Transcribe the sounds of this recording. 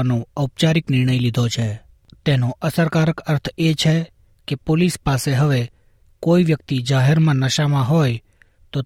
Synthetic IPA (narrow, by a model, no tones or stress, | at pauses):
nõəwpt͡ʃaɾɪknɪɾɳ̃əjlid̪ʱot͡ʃʰe | t̪enoʔəsəɾkaɾəkəɾt̪ʰet͡ʃʰe | kepolispaseɦəʋe | koiʋjəkt̪id͡ʒaɦɛɾmãnəʃamãɦoj | t̪o